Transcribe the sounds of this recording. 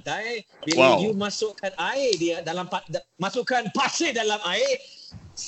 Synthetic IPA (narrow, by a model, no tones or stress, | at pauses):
t̪aj | biwajumãsʊʔkanaɪdidalampadmasuʔkanpasɪdalamaɪ | s